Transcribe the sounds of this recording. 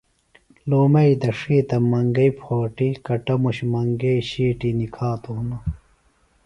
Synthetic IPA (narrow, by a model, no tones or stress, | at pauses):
loːmɐid̪ɐʂiːt̪ɐmɐŋɡɐipʰoːʈikɐʈɐmuɕmɐŋɡɐiɕiːʈinikʰaːt̪uunɐ